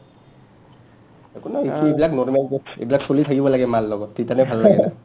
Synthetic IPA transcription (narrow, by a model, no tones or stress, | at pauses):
ekonaeuebilaknɔɹmelkeḛbilaksolitʰakibɔlaɡɛmalːɔɡɔtːetanɛbʱalːlaɡɛna